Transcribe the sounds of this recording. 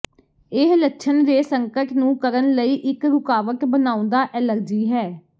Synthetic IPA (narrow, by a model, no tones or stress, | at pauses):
ɪɦləkʃʰənd̪eːsəŋkəʈnũːkəɾənləiːʔɪkɾʊkaːʋəkbənaːʊ̃nd̪aːʔɛːləɾd͡ʒiːɦɛː